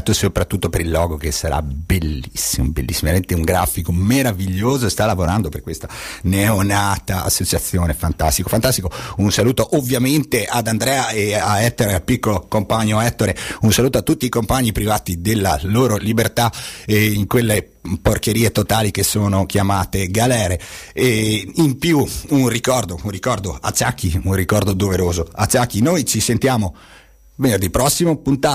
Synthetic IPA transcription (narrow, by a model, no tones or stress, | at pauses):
t̪ːosopɾat̪ːut̪ːopeɾilːɔːɡok̟esaɾa̰belːisːimo̰bḛlːisːimlment̪euŋɡɾaːfikomeɾaviʎːoːzost̪alːavoɾand̪operkːwest̪aneonaːt̪aa̰sːot͡ʃat̪sːjoːnefant̪ast̪ikofant̪ast̪ikounsaluːt̪oʔovːjament̪ead̪and̪ɾɛaeaɛt̪ːoɾealpikːolokompaɲːoɛt̪ːoɾeunsaluːt̪oat̪ːut̪ːiːkompaɲːipɾivaːt̪id̪elːa̰loːɾolibert̪aiŋkwelːe | porkeɾiːet̪ot̪aːlikesːoːnok̟ʰjamaːt̪eɡalɛːɾe | impjuunrikɔrd̪ounrikɔrd̪oa̰t͡ʃːak̟ːiunrikɔrd̪od̪oveɾoːzoa̰t͡ʃːakːinojt͡ʃisent̪jaːmo | venerd̪ipːɾɔsːimopunt̪aː